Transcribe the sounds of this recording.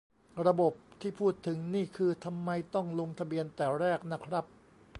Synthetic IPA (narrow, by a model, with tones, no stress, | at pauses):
ɾa˧bo˨˩p̚t̪ʰiː˥˩pʰuː˥˩t̪ʰːɯ˩˦ŋniː˥˩kʰɯː˧t̪ʰa˧mːa˧jt̪ɔ˥˩ŋlo˧ŋt̪ʰa˧bi˧ənt̪ɛː˨˩ɾɛː˥˩k̚na˦˥kʰɾa˦˥p̚